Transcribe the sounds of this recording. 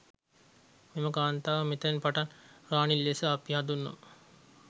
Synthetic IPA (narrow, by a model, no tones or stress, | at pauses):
meməkaːnt̪aːʋəmit̪enpaʈanraːnilːesəapjɦad̪unːo̰mə